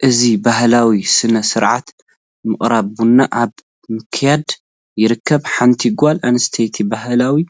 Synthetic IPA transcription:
ʔɨzibahlawisɨnɐsɨɾʕat̪ | mɨχʼɾabunːaʔaβ | mɨkʰjad̪ | jɪɾɨkʰːɐbħant̪ʰiɡʷalʔanst̪ʰejt̪ʰibahlawi

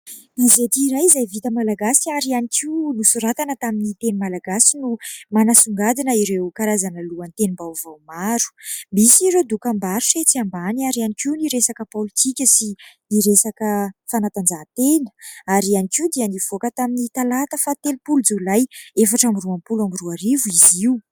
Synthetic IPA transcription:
izet̪iːɾajizajvit̪əmalaɡasiaɾianikʰiwnusuɾat̪anət̪aminit̪enimalaɡasinumanasuŋɡad̪inəiɾewkaɾazanəluənt̪enimbawvawmaɾu̥misiɾewd̪ukambaɾuset͡siambaniaɾianikiwniɾesakəpolit̪ʰikʲəsi | iɾesakəfanat̪and͡ʒat̪enə̥aɾianikiwd̪iəniv̥okət̪aminit̪alat̪əfat̪elipulud͡zulajefaʈ͡ʂamiruampulamiruaɾivuiziu

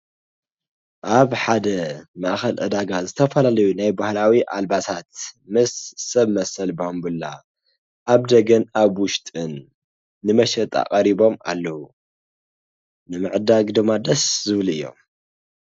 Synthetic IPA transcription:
ʔaβħad̪ɐmɐʔxɐlʔɨd̪aɡazɨt̪ʰɐfɐlalɐjunajbahlawiʔa̰lbat̪ʰat̪̚mɨsːɐβmɐsɐlbɐhombɨlːa̰ | ʔaβd̪ɐɡɐnaβwʊʃt̪ʼɨnː | ɨmɐʃɐt̪ʼa̰qʼɐɾibo̞ma̰lːɐhu | nɨmɨʕɨd̪aɡd̪ɨmːad̪ɐszɨβlɨjːo̞̰m

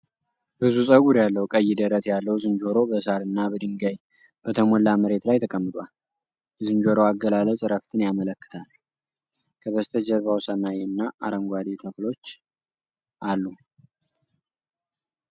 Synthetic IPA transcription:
b̥ɨzusʼəɡuɾjalːəwukʼəjːɪd̪əɾət̪ʰjalːəhwzɨnd͡ʒo̞ɾo̞bəsaɾɨnːabəd̪ɨŋɡaj | b̥ət̪ʰəmolːaməɾe̞t̪lajt̪ʰəkʼəmːɨt̪ʼwal | zɨnd͡ʒo̞ɾo̞aɡəlalət͡sʼɾəft̪ʰɨnjamələkːɨ̥t̪ʰal | kʰəβəst̪ʰəd͡ʒəɾβawsənːajɨnːaʔaɾəŋɡʷad̪et̪ʰəflo̞t͡ʃː | ʔalːu

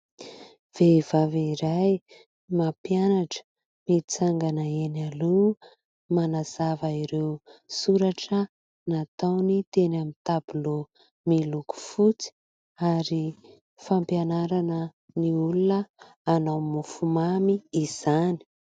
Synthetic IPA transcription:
v̥evaviɾaj | mapianaʈ͡ʂə̥ | mit͡saŋɡanəenalu | manaz̥avəiɾewsuɾaʈ͡ʂə | nat̪awnit̪enamint̪abulo | miluku̥fut͡si̥ | aɾi | fampjanaɾanə | niulunəː | namufumamiːz̥ani̥

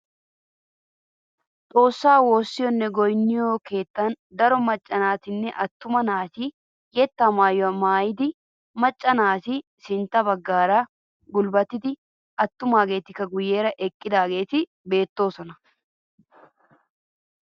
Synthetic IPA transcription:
t̪ʼo̞ːsːaːwo̞ːsːɪjɔnːɛɡɔjnːɪjoːke̞ːt̪ːɐn | d̪ɐɾɔmɐt͡ʃʼːɐnaːt̪ɪnːɛʔɐt̪ːʊmɐnaːsɪ | jɛt̪ːɐmaːjɔɐmaːjɪd̪ɪ | mɐt͡ʃʼːɐnaːsɪ | sɪnt̪ːɐbɐɡːaːɾaː | ɡʊlbɐt̪ːɪd̪ɪ | ɐt̪ːʊmaːɡe̞ːt̪ɪkːɐɡʊjːe̞ːɾɐʔɛkʼːɪd̪aːɡe̞ːt̪ɪ | be̞ːt̪ːo̞ːsɔnɐ

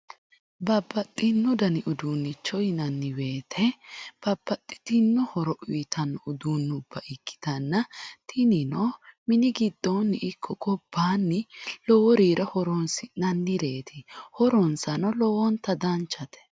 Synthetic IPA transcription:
bɐbːɐt̪ʼːɪnːʊd̪ɐnɪʔʊd̪uːnːɪt͡ʃːɔjɪnɐnːɪwe̞ːt̪ʰɛb̥ɐbːɐt̪ʼːɪ̥t̪ɪnːɔhɔɾɔʔʊɪt̪ʰɐnːɔʊd̪unːʊb̥ːɐʔɪkːɪ̥t̪ɐnːɐt̪ʰɪnɪnɔmɪnɪɡɪd̪ːonːɪʔɪkʰːɔɡɔb̥ːaːnːɪlɔwɔɾiːɾʔɛhɔɾɔnsɪnɐnːɪɾeːt̪ʰɪhɔɾɔnsɐnɔlɔwɔnt̪ɐd̪ɐnt͡ʃːɐt̪ʰɛ̥

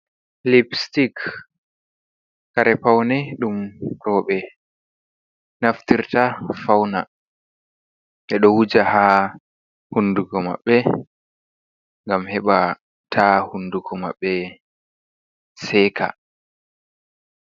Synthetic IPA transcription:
lipstik | aɾɛpawnɛɗumɾɔːɓɛ | naftiɾtafawna | ʔɛɗɔwud͡ʒaha | hunduɡɔma̰ɓːɛ | ŋɡamhɛɓa | tʰahunduɡɔma̰ɓːɛ | sɛːka̰

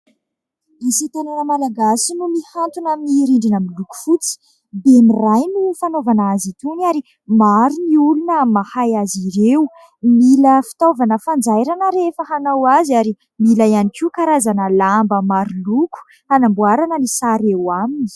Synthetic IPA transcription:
esit̪ananəmalaɡasinumihant̪unaminiɾiɳɖ͡ʐinamiluku̥fut͡si̥ | bemirajnufanovanazit̪uniaɾi | maɾuniulunəmahajaziɾeu | miləfi̥t̪ovanəfand͡zajɾanəɾeefəhanawaziaɾi | milajanikiukaɾazanəlambəmaɾuluku̥ | hanambuaɾanəlisaɾewamini̥

